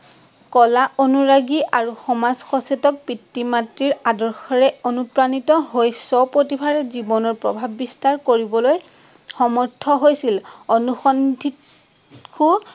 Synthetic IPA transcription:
kɔlaʔonuɹaɡiʔaɹuxɔmazxɔsetɔk̚pitːimatɹiɹadɔɹxɔɹɛonupɹanitɔɦojsɔpotibʰʱaɹɛzibɔnɔɹpɹɔ̰bʱabːistaɹkoɹibɔloj | xɔmɔɹtʰɔɦojsilonuxɔndʱit | kʰu

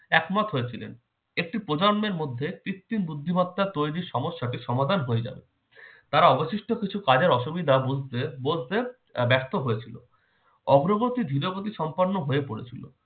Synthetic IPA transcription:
ɛkmat̪ɦojet͡ɕʰilḛn | ek̚ʈipɾod͡ʑanmeɾmod̪ʱːepɾit̪ːinbud̪ʱːimat̪ːaɾt̪ojɾiɾʃɔmoʃːaʈiʃɔmad̪ʱanɦoed͡ʑa̰bḛ | t̪aɾaɔboʃiʃʈokit͡ɕʰukad͡ʑeɾɔʃubid̪ʱabud͡ʑʱt̪ebod͡ʑt̪e | bɛɾt̪oɦoet͡ɕʰilo̰ | ɔɡɾoɡot̪id̪ʱiɾoɡot̪iʃɔmpoɾnːoɦoepoɽet͡ɕʰilo̰

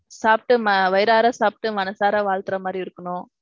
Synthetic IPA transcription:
saːp̚ʈːɯmɐʋɐɪɾaːɾaːsaːp̚ʈːɯmɐnɐsaːɾaːʋaːɭt̪ɪɾɐmaːd̪ɾiɪɾɯkːɐnʊ̃

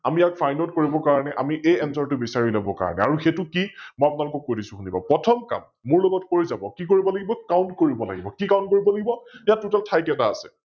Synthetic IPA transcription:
amijakfʰajnotkoɹibɔkaɹɔnɛʔa̰miʔejɛnsɔɹtʊbisaɹilobɔka̰ɹɔ̰nɛ̰aɹuxetʊkimɔjapʊnalʊkɔk̚ːodisʊ̃xunipa̰pɹɔtʰɔmka̰mːʊɹloɡɔtkoɹizabɔkikoɹibɔlaɡibɔkawntkoɹibɔla̰ɡibɔkikaw̃ntkoɹibɔlaɡibɔjatːutaltʰajkɛtaːsɛ̰

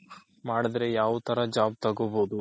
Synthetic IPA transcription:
maːɽid̪ɾe̞jaːʋut̪ʰɐɾɐd͡ʒaːb̚t̪ɐɡoboːd̪u

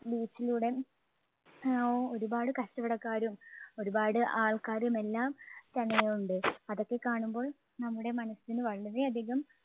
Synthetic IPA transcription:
biːt͡ɕːiluːɽe̞ | oo̞ɾubaːɽɨkɐɕtɐʋɐɽɐkːaːɾumo̞ɾubaːɽɨʔaːɭkaːɾume̞lːaːmt̪ɐnːeuɳɖɨɐðo̞kːe̞kːaːɳumbo̞ːɭ | nɐmːuɽe̞mɐnɐsinɨʋɐɭːɐriɐd̪ʱiɣɐm

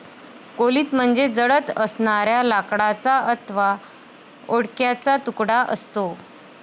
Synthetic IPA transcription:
koliːt̪m̤əɳd͡zed͡zəɽət̪əsnaɾjalakɽat͡saət̪ʋa | oɽkjat͡sat̪ukɽaʔəst̪o

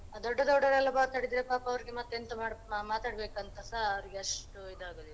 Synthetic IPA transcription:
ad̪ɔɖːɐd̪ɔɖːɐɾɛlːɐmaːt̪aːɽid̪iːɾepaːpɐʋɐɾiɡemɐt̪ːent̪ɐmaɽmaːt̪aːɽbe̞ːkɐnt̪ɐsaɐʋɾiɡeɐʂʈuid̪aːɡoːd̪e

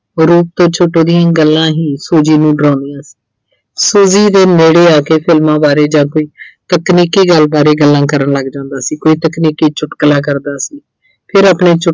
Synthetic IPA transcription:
ɾuːp̚t̪õːt͡ʃʰoːʈõːd̪ɪjãːɡəlːãːɦiːsoːd͡ʒiːnũːɖɾãːnd̪ɪjãːsi̥ː | suːziːd̪eːmeːɽeːaːkeːpʰɪlmãːbaːɾeːd͡ʒãːkoːiːt̪əkniːkiːɡəlbaːɾeːɡəlːãːkəɾəɳləɡd͡ʒãːnd̪aːsiːkoːiːt̪əkniːkiːt͡ʃʊʈklãːk̬əɾd̪aːsiː | pʰɪɾaːpɳeːt͡ʃʊ

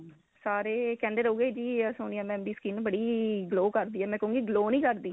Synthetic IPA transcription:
saːɾeːkɛ̃ːɳɖəɾɦoːɡeːd͡ʒiːsoːniːãːmɛ̃ːmbiːskiːnbəɽiːɡloːkəɾd̪iːɛːmɛ̃ːkəɦũːŋɡiːɡloːnĩːkəɾd̪iː

